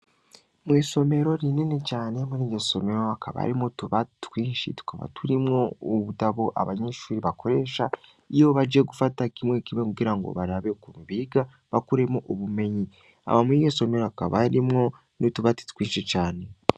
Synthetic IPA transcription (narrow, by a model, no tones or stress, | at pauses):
mwiːso̞me̞ɾo̞ɾinene̞caːne̞muɾiːɟoso̞me̞ɾo̞akʰaβa̰ɾimotuβatkwiːnʃḭtu̥kaβa̰tuɾimŋo̞uβutaβo̞ʔa̰βaɲeʃuːɾiβakʰo̞ɾe̞ːʃa | ijo̞βad͡ʒeɡufatakimwe̞kimekuɡiɾaŋɡo̞̰βaɾaβekumuβiːɡa | βakuɾe̞moʔoβume̞ɲi | a̰βamuioso̞me̞ɾoakaβaɾimŋo̞ | notuβati̥tkwiːnʃicaːne̞